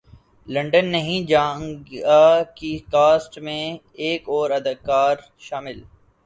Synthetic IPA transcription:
lɐ̃ɳɖənːɐɦĩd͡ʒãːŋɡakikaːsʈmẽ | eːkɔːɾɐd̪ɐkaːɾ | ʃaːmɪl

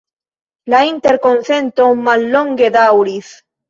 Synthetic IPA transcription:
laint̪eɾkonθent̪omalːoŋɡeðawɾis

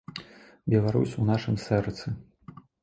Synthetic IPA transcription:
bʲɛlˠaɾusʲunaʂɨmsɛrt̪sɨ

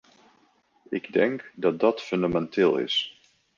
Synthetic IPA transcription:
ɪɡdɛŋkdɑt̚dɑtfɵndamɛntɪːlˠɪ̰s

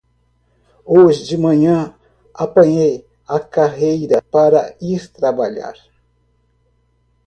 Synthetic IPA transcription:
oʒɪd͡ʒimɐ̃ɲɐ̃ | apɐ̃jej | akaɦejɾapaɾaist̪ɾabaʎa̰ɾ

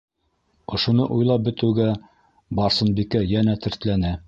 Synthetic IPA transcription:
ŏʃŏnɤʔujlˠɑp̚bɘ̆t̪ɘ̆wɡæ | bɑɾsɤ̆nbikæjænæt̪ɘ̆ɾt̪lænæ

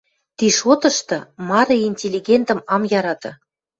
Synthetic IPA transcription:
t̪iʃot̪ɤ̆ʃt̪ɤ̆mɑɾɤinʲtʲelʲiɡʲent̪ə̆mɑmjɑɾɑt̪ɤ̆

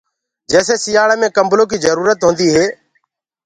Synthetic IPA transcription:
d͡ʒɛːseːsijaːɭemẽːkəmblõːkiːzəɾuːɾət̪ɦõːnd̪iːɦeː

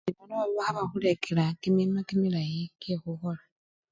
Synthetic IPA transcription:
iβanoβaβaxaβaxulekʰelakiminakimilajikexuxola

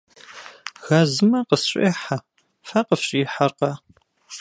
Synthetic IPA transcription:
ɣɐzɨmɐqəsɕʷʼḛːħa | fɐqəfɕʼiːħɐrqɐ

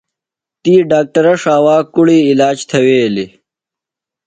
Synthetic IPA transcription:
t̪iːɖaːk̚ʈɐɾɐʂaːwaːkuɽiːlaːd͡ʑt̪ʰɐweːli

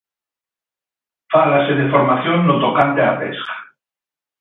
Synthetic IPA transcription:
falaseðefoɾmaθjonːot̪okant̪eapḛskḁ

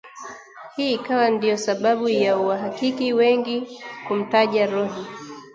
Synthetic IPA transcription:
hiːkawandijɔsaɓaɓujauwaɦakikiwɛŋɡikum̩taʄaɾɔɦi

